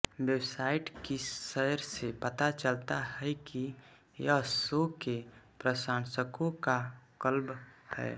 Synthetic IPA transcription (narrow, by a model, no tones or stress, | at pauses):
bjewsaːɪʈkisəɾsepət̪at͡ʃəlt̪aɦɛki | jəsokepɾəsaːnsəkõkakəlbhɛ̰ː